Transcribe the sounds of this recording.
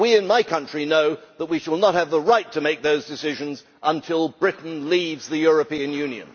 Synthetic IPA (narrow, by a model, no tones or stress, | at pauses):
wiɪ̃nmaɪkʰʌ̃nt͡ʃɹ̥inoʊðət̚wiʃəlˠnət̚hɨvðəɹaɪtʰɨmeɪk̚ðoʊzdɨsɪʒɨ̃nz | ʔə̃ntʰɪlˠbɹɪʔn̩livzðɨjʊɹɨpĩɨ̃njʉ̃niɨ̰̃n